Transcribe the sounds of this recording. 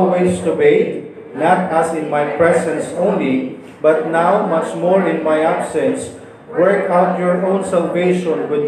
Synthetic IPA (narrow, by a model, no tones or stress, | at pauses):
wɪt͡ʃt̪ʊweɪt̪̚ | nat̪asɪ̃nmajpɹɛsɛ̃nsõʊ̃nli | bʌt̪̚nawmʌt͡ʃmɔɹɪ̃nmajabsɛ̃ns | wɛɹkawt̪jɔɹʔõʊ̃nsalveʃɔ̃nwɪd̪̚